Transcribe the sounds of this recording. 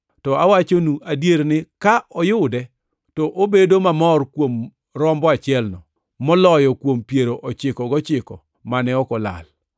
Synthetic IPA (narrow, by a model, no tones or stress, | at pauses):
tɔawat͡ʃonuʔadjeɾnɪkaʔɔjʊdɛ | tɔʔobedomamɔrkwom | ɾɔmbɔat͡ʃɪɛlnɔ | mɔlɔjɔkwompjeɾoʔɔt͡ʃɪkɔɡɔt͡ʃɪkɔ | manɛɔkɔla̰l